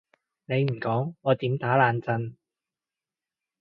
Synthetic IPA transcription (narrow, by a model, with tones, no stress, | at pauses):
ne˨˧jm̩˨˩kɔː˨˥ŋːɔː˨˧t̪iː˨˥mt̪aː˨˥laː˨˧nt͡sɐ˧n